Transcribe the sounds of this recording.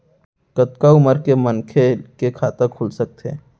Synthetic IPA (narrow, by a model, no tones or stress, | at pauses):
kət̪kaʊməɾkemənkʰekekʰaːt̪əkʰʊlsək̚t̪ḛː